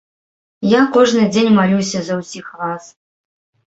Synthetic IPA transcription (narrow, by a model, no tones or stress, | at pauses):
jakɔʐnɨd͡zʲenʲmalʲusʲɐzɐwsʲixras